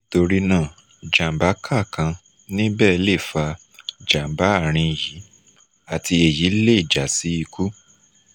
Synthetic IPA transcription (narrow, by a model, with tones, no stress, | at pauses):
to˧ɾi˧nãː˦˨ | d͡ʒa˨m˨ba˨˦kʰa˦˨kã˧ | nĩ˦bɛː˦˨˧le˦˨fa˧ | d͡ʒa˨m̩˨ba˨˦a˦˨ɾ̃ĩ˧˨ji˨˦ | a˨ti˧e˨ji˨˦le˦i˨d͡ʒa˨si˨˦i˧ku˦